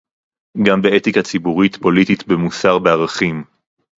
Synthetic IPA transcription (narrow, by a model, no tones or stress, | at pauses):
ɡambe̞et̪ikat͡sibuʁit̪po̞lititbemusaʁbeaʁaχim